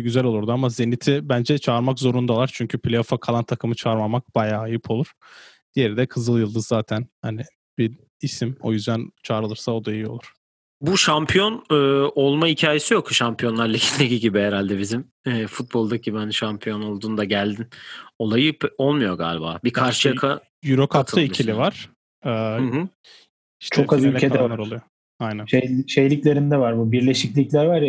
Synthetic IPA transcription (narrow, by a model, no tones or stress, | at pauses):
ɟyzælʲouɾd̪uamaze̞nit̪ʰibænd͡ʒɛt͡ʃʰaːɾmakzo̞ɾund̪alˠaɾt͡ʃʰyɲcʰypʰilʲeofakʰalˠant̪ʰakʰɯmɯt͡ʃʰaɯɾmamak̚b̥ajaːjɯpʰo̞lˠuɾ̥ | d̪̥ijeɾid̪ɛkʰɯzɯlˠjɯlˠd̪ɯzːaːt̪ʰænhanɪ | bi | isimo̞̰jyzd̪ænt͡ʃʰaːɾɯlˠɯɾsao̞d̪ajɯo̞lˠuɾ̥ | buʃampʰijo̞nɯːolˠmaicʰaːjesijo̞k̪uʃampʰijo̞nlˠaɾlʲaɟʰind̪ʲeɟiɟibiɦeɾalʲd̪ɛbizim | ɛːfut̪̚bo̞lˠd̪acʰibænʃampʰijo̞no̞lˠd̪uːnd̪aɟælʲd̪ino̞lˠajɯpo̞lˠmujo̞ɡa̰ːlʲba̰ːbikʰaɾʃɯjakʰa | jyɾokʰat̪ʰɯlaicʰilʲivaɾ̥ | ɛːhɯɦɯ | iʃtt͡ʃʰokabylcʰed̪ɛvaɾolˠujo | ajnænʃejʃe̞jlʲiclʲe̞ɾind̪ɛvaɾbubiɾlʲe̞ʃiclʲiclʲæɾvaɾj